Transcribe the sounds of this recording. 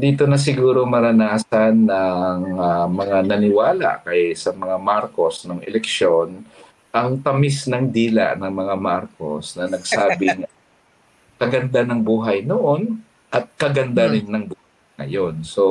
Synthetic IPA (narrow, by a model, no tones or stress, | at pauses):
d̪iːt̪o̞nɐs̬ɪɡuːɾo̞mɐɾɐnaːsɐnːɐŋamɐŋanɐnɪwaːla̰ʔkɐjsɐmɐŋamaɾko̞snoŋʔɛ̰lɛkʃo̞n | ʔɐŋt̪ɐmɪsnɐŋd̪iːla̰ʔnɐŋmɐŋamaɾko̞̰snɐnɐɡsaːbɪŋ | kɐɡɐnd̪anɐŋbuːɦɐjnoʔon | ʔɐt̪̚kɐɡɐnd̪anɪnːɐŋbuːhajŋɐ̰jo̞nso